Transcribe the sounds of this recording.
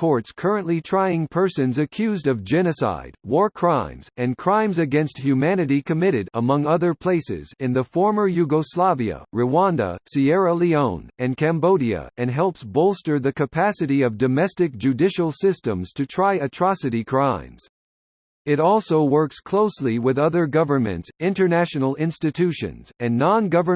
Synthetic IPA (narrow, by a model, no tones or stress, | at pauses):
kʰɔɹtskʰɜ˞ɨ̃nʔlitʰɹ̥aɪɪ̃ŋpʰɜ˞sɨ̃nzɨkʰj̥ʉzdʌvd͡ʒɛñɨsa̰ɪd̚wɔɹkʰɹ̥ãɪ̃mz̥ɨ̃nkʰɹ̥ãɪ̃mzɨɡɛ̃nst̚hjʉmænɨɾikʰɨmɪɾɨɾəmʌ̃ŋʌðə˞pʰl̥eɪsɪ̰zɨ̃nðəfɔɹmə˞jʉɡoslɑviɨ̰ɹɨwɑ̃ndə̰siɛɹəliõʊ̃nɨ̃nkʰæ̃mboʊɾiɨ̰ɨ̃nɦɛlˠpsboʊlˠstə˞ðɨkɨpʰæsɨɾiʌvdɨmɛstɨk̚d̥ʒ̥ʉdɪʃl̩ˠsɪstə̃mz̥tʰɨtʰɹ̥aɪɨtʰɹ̥ɑsɨɾikʰɹ̥ãɪ̃mz̥ | ɨɾɔlˠsoʊwɜ˞kskʰl̥oʊsliwɪðʌðə˞ɡʌvə˞mɨ̰̃ntsɪ̃ntə˞næʃnl̩ˠɪ̃nstɨtʰʉʃɨ̰̃nz̥ɨ̃nːɑ̃nɡʌvə˞